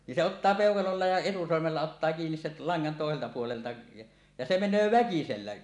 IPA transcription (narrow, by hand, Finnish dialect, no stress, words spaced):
nin se otːɑː peˑokɑlolːɑ jɑ etusormelːɑ otːɑː kiːnis sel lɑŋːɑn toˑeseltɑ puoleltɑ jɑ jɑ se menˑøː ʋækiselːæ